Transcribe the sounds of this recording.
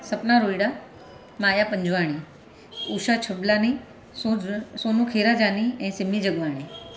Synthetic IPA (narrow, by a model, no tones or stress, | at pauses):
sɐpnaɾoːiɽa | maːjapə̃ɲd͡ʑʱʋaːɽ̃i | uːʃat͡ɕʰɐblaːni | sosoːnũkʰeːɾad͡ʒaːniɛ̃ːsɪmid͡ʑɐɠʋaːɽ̃iː